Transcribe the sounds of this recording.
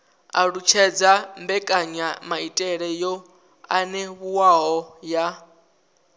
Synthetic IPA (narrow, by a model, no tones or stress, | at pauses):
a̰ɺut͡ʃʰɛd͡zambɛkʼaɲamaitʼɛɺɛjɔ | anɛβuwaɦɔja